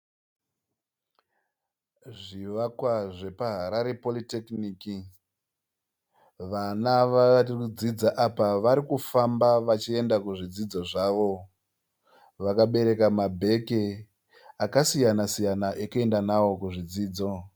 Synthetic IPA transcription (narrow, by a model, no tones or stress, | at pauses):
ʐiʋakwaʐe̞paɦaɾaɾe̞po̞litekniːki | ʋanaʋakud͡zid͡zaʔapaʋaɾikufambaʋat͡ʃie̞ndakuʐid͡zid͡zo̞ʐaːʋo̞ | ʋakaɓe̞ɾe̞kamabʱe̞ke | akasijanasijanaʔekue̞ndanawo̞kuʐid͡ziːd͡zo̞